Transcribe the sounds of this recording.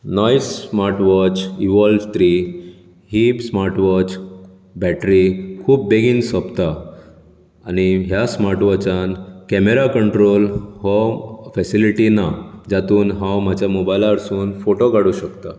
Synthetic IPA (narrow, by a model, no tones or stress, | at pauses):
nɔjsmaɾʈʋɔt͡ɕiʋɔlft̪ɾi | ɦipsmaɾʈʋɔt͡ɕ | bɛʈɾikʰuːpːeɡiːnsɔpt̪a | ñiɦjasmaɾʈʋɔt͡ɕãnkɛmeɾakəɳʈɾolɦɔfɛsiliʈinad͡ʑat̪uːnɦãwm̤ad͡ʑjamobajlaɾsuːnfoʈoɡaɽuɕəkt̪a